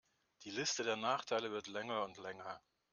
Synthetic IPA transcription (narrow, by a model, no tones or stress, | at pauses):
d̥iːlɪstədeːɐnaːχtʰaɪləvɪɐtlɛŋɐʊntlɛŋɐ